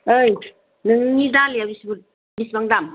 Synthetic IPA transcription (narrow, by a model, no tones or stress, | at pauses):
ɯj | nɯŋnidaliabisbu | bisbaŋdam